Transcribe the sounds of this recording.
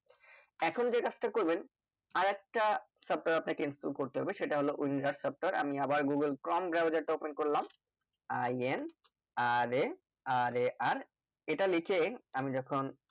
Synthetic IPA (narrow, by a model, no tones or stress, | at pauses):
ɛkʰond͡ʑekat͡ɕʰʈakoɾben | aɾɛk̚ʈasəp̚ʈaɾapnakeinsʈulkoɾt̪eɦɔ̰beʃeʈaɦoloʔuinɾaɾsəp̚ʈaɾʔa̰miabaɾɡuɡəlkɾɔmbɾabd͡ʑaʈaopenkoɾlam | ajen | aɾ | aɾaɾ | eʈalikʰeamid͡ʑɔkʰon